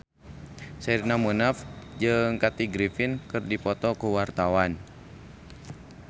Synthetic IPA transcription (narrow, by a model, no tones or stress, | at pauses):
sɛɾnamunafd͡ʒɨŋkat̪iɡɾifinkɨrdipɔt̪ɔkuwart̪awan